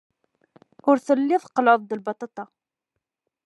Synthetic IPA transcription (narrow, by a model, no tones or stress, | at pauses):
ʊɾθəlːɪθqːləðˤd̪əlbɑt̪ˤɑt̪ɑ